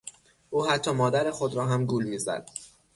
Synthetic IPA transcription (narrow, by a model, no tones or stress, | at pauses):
ʔuːhæt̪ʰːɒːmɒːd̪æɾexod̪ɾɒːɦæmɡuːlmiːzæ̰d̪̥